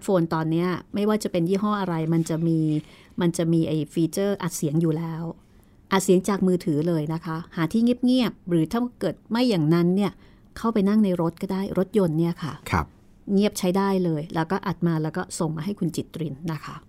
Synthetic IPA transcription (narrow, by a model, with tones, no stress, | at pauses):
t̪foː˧nt̪ɔː˧nːi˦˥ɐma˥˩jwaː˥˩t͡ɕa˨˩pe˧njiː˥˩ɦɔ˥˩ʔa˧ɾa˧jma˧nt͡ɕa˨˩ʔmiː˧ | ma˧nt͡ɕa˨˩miː˧ʔa˧˩jfiː˧t͡ɕɤː˥˩ʔa˨˩t̪̚si˨˩˦əŋjuː˨˩lɛː˦˥w | ʔa˨˩t̪̚si˨˩˦əŋt͡ɕaː˨˩k̚mɯː˧t̪ʰɯː˩˦lɤː˧jna˦˥kʰa˦˥haː˩˦t̪ʰiː˥˩ŋi˥˩p̚ŋi˥˩əp̚ɾɯː˩˦t̪ʰaː˥˩˥kɤː˨˩t̪̚ma˥˩jːaː˨˩ŋna˦˥nːi˥˩ɐ | kʰa˥˩wpa˧jna˥˩ŋna˧jɾo˦˥t̪̚kɔː˥˩daː˥˩jɾo˦˥t̪̚jo˧nːi˥˩ɐkʰa˥˩kʰ | ŋi˥˩əp̚t͡ɕʰa˦˥jdaː˥˩jlɤː˧jlɛː˦˥wkɔː˥˩ʔa˨˩t̪̚maː˧lɛː˦˥wkɔː˥˩so˨˩ŋmaː˧ɦa˥˩jkʰu˧nt͡ɕi˨˩t̪ːɾi˧nːa˦˥kʰa˦˥